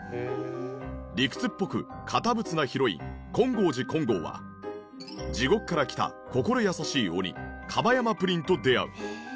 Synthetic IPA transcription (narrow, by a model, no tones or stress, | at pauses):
ɾʲikɯ̟̥t͡sɨpːo̞kɯ̟̰kʰat̪abɯ̟t͡sɨnaçiɾo̞ḭkõ̞ŋɡo̞ːʑikõ̞ŋɡo̞̰ːβa̰ | d͡ʑiɡo̞k̟kːaɾakʲi̥t̪a̰ | ko̞ko̞ɾo̞jasaɕiːo̰ɲʲḭkʰabajamapɯ̟ɾʲĩnt̪o̞d̪e̞a̰ɯ̟̰